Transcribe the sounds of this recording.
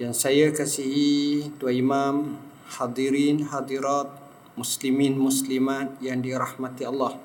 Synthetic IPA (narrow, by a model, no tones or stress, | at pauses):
jaŋsajakasiɦit̪uaimam | had̪iɾinhad̪iɾat̪̚ | musliminmuslimat̪̚jaŋdiɾahmat̪ialːah